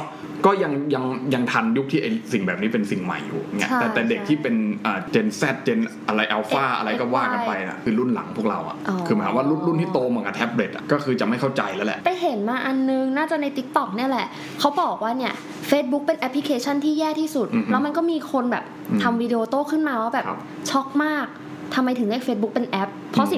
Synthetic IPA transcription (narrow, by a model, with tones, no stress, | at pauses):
kɔː˥˩ja˧ŋja˧ŋja˧ŋt̪ʰa˧nju˦˥k̚t̪ʰiː˥˩ʔa˧jsi˨˩ŋbɛː˨˩p̚niː˦˥pe˧nsi˨˩ŋma̰˨˩jːṵː˨˩ŋi˦˥ɐʔt̪ɛː˨˩t̪ɛː˨˩de˨˩k̚t̪ʰiː˥˩pe˧nʔəː˨˩t͡ɕeː˧nsɛ˥˩t̪̚t͡ɕe˧n | ʔa˧ɾa˧jʔa˧wfaː˥˩ʔa̰˧ɾa˧jkɔː˥˩waː˥˩˧ka˧npa˧ja̰˨˩kʰɯː˧lu˥˩nla̰˩˦ŋpʰu˥˩ɾa̰˧wʔa̰˨˩ʔʰɯː˧a˨˦ka˧˩wa˥˩lu˥˩nlu˥˩nt̪ʰiː˥˩t̪oː˧mɯ˩˦ka˧˩t̪ʔʰɛ˦˥p̚leː˨˩t̪̚ʔa̰˨˩kɔː˥˩kʰɯː˧t͡ɕa˨˩ma˥˩jkʰa˥˩wt͡ɕa˧jlɛ˦˥wlɛ̰˨˩ʔpa˧jɦe˩˦nmaː˧ʔa˧nːɯ˧ŋnaː˥˩t͡ɕa˨˩na˧jt̪i˦˥k̚t̪ɔ˨˩k̚ni˥˩ɐlɛ˨˩ʔ | kʰa˦˥wbɔː˨˩k̚waː˥˩ni˥˩ɐ | feː˦˥t̪̚bu˦˥k̚pe˧nʔɛ˧˦˥pʰːli˦kʰeː˧t͡ɕʰa˥˩nt̪ʰiː˥˩jɛː˥˩t̪ʰiː˥˩su˨˩t̪̚lɛ˦˥wma˧nk̬ɔː˥˩miː˧kʰo˧nbɛː˨˩p̚ː | t̪ʰa˧mwiː˧de˧oː˧t̪oː˥˩kʰɯ˥˩nmaː˧waː˥˩bɛ̰ː˨˩˦ | t͡ɕʰɔ˦˥k̚maː˥˩k̚ | t̪ʰa˧mːa˧jt̪ʰɯ˨˩˦ŋda˧˥˩feː˦˥t̚bu˦˥k̚pe˧nʔɛ˦˥p̚pʰɔ˦˥i˨˩